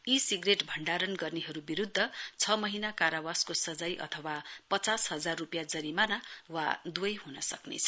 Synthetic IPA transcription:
isiɡreʈbʱʌɳɖaɾʌnɡʌrniɦʌɾubiɾud̪ʱːʌt͡sʰʌmʌɦinakaɾawaskosʌd͡zʌjʔʌ̰t̪ʰʌwapʌt͡sasɦʌd͡zarːupjad͡zʌɾimanawa̰d̪uʌjɦunʌsʌknḛt͡sʰʌ̥

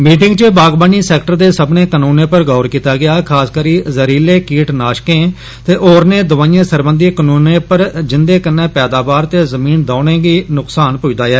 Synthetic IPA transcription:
miːʈɪŋɡt͡ʃəbaːɡbaːniːsɛːkʈəɾd̪eːsəbnẽːkənũːnẽːpəɾɡɔːɾkiːt̪aːɡɪjaːkʰaːskəɾiːzəɾiːleːkiːʈnaːʃkẽː | t̪eːʔoːɾneːd̪ʊʋaːĩẽːsəɾbənd̪iːkənuːnẽːpəɾd͡ʒɪnd̪eːkənːẽːpɛːd̪aːbaːɾt̪eːzəmiːnd̪ãːnẽːɡiːnʊksaːnpʊid̪aːɛː

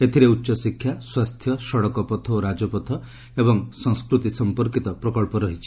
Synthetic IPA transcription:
et̪ʰiɾeutːʃɔsikʰːjaswast̪ʰjɔsɔɽɔkɔpɔt̪ʰɔoɾad͡ʒɔpɔt̪ʰɔ | ebɔŋsɔŋskɾut̪isɔmpɔɾkit̪ɔpɾɔkɔɭpɔɾɔɦit͡ʃʰi̥

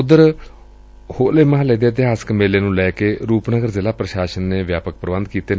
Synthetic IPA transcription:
ʊd̪əɾ | hoːleːmaɦaːləid̪eːt̪ɪɦaːsə̥kmeːleːnũːlɛːkeːɾuːpnəɡəɾzɪlaːpɾəʃaːʃənːeːʋjaːpək̚pəɾəbə̃nd̪̚kiːt̪eː

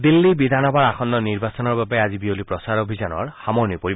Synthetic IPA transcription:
d̪ilːibid̪ʱanɔbaɹaxɔnd̪ɔniɹbasɔnɔɹbabɛazibiolipɹɔsaɹobʱizɔnɔ̰ɹxamɔɹnɔpoɹib

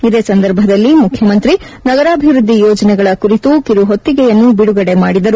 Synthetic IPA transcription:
id̪e̞ːsɐnd̪ɐɾbʱɐd̪ɐlːimukʰjɐmɐnt̪ɾi | nɐɡɐɾaːbʱiʋɾud̪ʱːijɔːd͡ʒɐnɛɡɐɭɐkuɾit̪ukiɾuɦot̪ːiɡɛjɐnːubiɽuɡɐɽe̞maːɽid̪ɐɾu

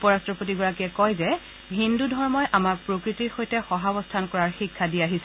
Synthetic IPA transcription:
pɔɹastɹɔpotiɡɔɹakiɛkɔjzɛ | ɦindudʱɔɹmɔjʔamaɹpɹokɹitiɹxojtɛxɔɦabɔstʰankɔɹaɹxikʰːadiaɦisɛ

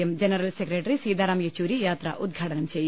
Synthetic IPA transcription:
ɐmd͡ʒɐnɐɾɐlsekɾeʈɐɾisiːd̪ʱaːɾaːmjɐt͡ʃuːɾijaːt̪ɾɐ̰ʔud̪ɡʱɐʈɐnɐmt͡ʃeːj

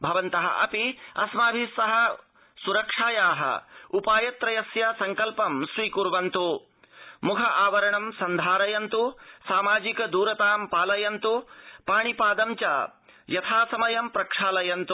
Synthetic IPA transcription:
bʱɐʋɐnt̪ɐɦɐ̰ʔɐ̰piɐ̰smaːbʱisːɐɦɐ | suɾɐkʂaːjaːɦɐ̰upaːjɐt̪ɾɐjɐsjɐsɐŋkɐlpɐmsɾiːkuɾʋɐnt̪u | mukʰɐʔaːʋɐɾɐɳɐmsɐnd̪ʱaːɾɐjɐnt̪usaːmaːd͡ʒikɐd̪uːɾɐt̪aːmpaːlɐjɐnt̪upaːɳipaːd̪ɐmt͡ʃɐ̰ | jɐt̪ʰaːsɐmɐjɐmpɾɐkʂaːlɐjɐnt̪u

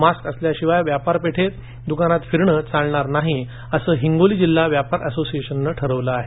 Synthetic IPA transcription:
maskəsljaɕiʋajʋjapaɾpeʈʰet̪̚ | d̪ukanat̪fiɾɳət͡saɭɳaɾnaɦi | əsəːɦiŋɡoliːd͡ʑilːaʋjapaɾʔəsosijeɕənːəʈʰəɾəʋləaɦe

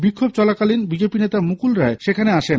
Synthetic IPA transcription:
bikkʰːob̚t͡ɕɔlakalinbid͡ʑepinet̪amukulɾaeʃekʰaneaʃen

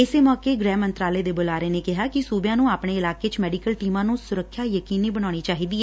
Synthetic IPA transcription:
ɪseːmɔːkeːɡɾɛːmənt̪ɾaːleːd̪eːbolaːɾeːneːkɪɦaːkɪsuːbjãːnũːaːpɳeːɪlaːkeːt͡ʃmɛːɖiːkəlʈiːmãːnũːsʊɾəkʰːjaːjəkiːniːbəɽ̃aːɽ̃iːt͡ʃaːɦiːd̪iːɛː

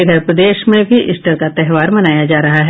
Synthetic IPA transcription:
ɪd̪ʱəɾpɾəd̪eːʃmẽbʱiʔɪsʈəɾkat̪ɛɦʋaːɾmɐnaːjad͡ʒaːɾɐɦaɦɛ

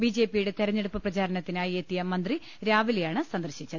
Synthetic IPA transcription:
bid͡ʑepijuɽe̞t̪eɾɐɲːeɽupːɐprɐt͡ɕaːɾɐnɐt̪ːinaːjiet̪ːijɐmɐnd̪ri | ɾaːʋiljaːɳɨsɐnd̪ɐrɕit͡ɕːɐðɨ

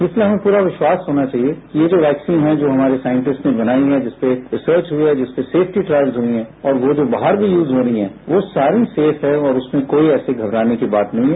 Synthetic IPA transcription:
ɪsliɦɐmẽpuːɾaʋɪʃwaːsɦoːnat͡ʃaːɦiekijed͡ʒoːʋɛːksiːnɦɛd͡ʒoːɦɐmaːɾesaːɪɪ̃ɳʈɪsʈnẽbɐnaːiɦɛd͡ʒɪspeɾɪsəːɾt͡ʃɦuiɦɛd͡ʒɪspeseːfʰʈiʈɾaːɪʋzɦuiɦɛ̃ɔːɾʋod͡ʒoːbaːɦəɾbʱijuːzɦoːɾəiɦɛ̃ | ʋosaːɾiseːfɦɛɔːɾʊsmẽkoːiɛːseɡʱɐbɾaːnekibaːt̪nɐɦĩɦɛ

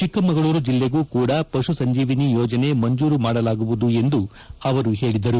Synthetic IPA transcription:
t͡ʃikːɐmɐɡɐɭuːɾud͡ʒilːeɡuːkuːɽɐpɐʂusɐɲd͡ʒiːʋinijɔːd͡ʒɐne̞mɐɲd͡ʒuːɾumaːɽɐlaːɡuʋud̪ue̞nd̪u | ɐʋɐɾuɦe̞ːɭid̪ɐɾu

